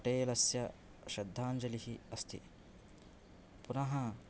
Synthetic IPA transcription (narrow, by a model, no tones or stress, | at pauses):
ʈeːlɐsjɐ | ʃɐd̪ʱːaːnd͡ʒɐlihiɐst̪ʰḭ | punɐɦɐ